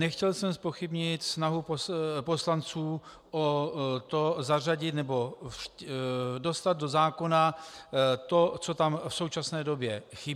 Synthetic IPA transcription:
nɛxcɛlsɛmspo̞xɪbɲɪt̪snaɦupopo̞slant͡suː | ʔot̪o̞zaraɟɪt̪nɛbo̞ | do̞st̪ad̪̚do̞zaːko̞na | t̪o̞t͡sot̪amfso̞wt͡ʃasnɛːdo̞bjɛxɪ

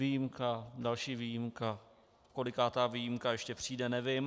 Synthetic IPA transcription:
ijimkadalʃiːviːjimka | ko̞lɪkaːt̪aːviːjimkajɛʃcɛpr̝̥iːdɛnɛvɪm

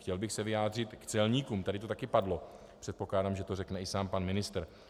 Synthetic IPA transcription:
xcɛlbɪxsɛvɪjaːd̪r̝ɪt̪kt͡sɛlɲiːkuːmt̪adɪt̪ot̪akɪpadlo̞ | pr̥ɛt̪̚po̞klaːdaːmʒɛt̪orɛknɛɪsaːmpanmɪnɪst̪ɾ

